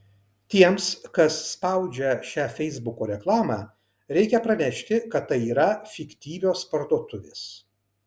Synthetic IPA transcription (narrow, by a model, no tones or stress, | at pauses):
t̪ʲiɛmskɐsːpɐˑʊd͡ʒʲɛʃʲæːfʲɛɪzbʊkoːɾʲɛklˠɑːmɑː | ɾʲɛɪkʲɛpɾɐnʲɛʃʲt̪ʲɪkɐt̪t̪ːɐɪiːɾɐfʲɪkʲt̪ʲiːʋʲoːspɐɾt̪oːt̪ʊʋʲḛːs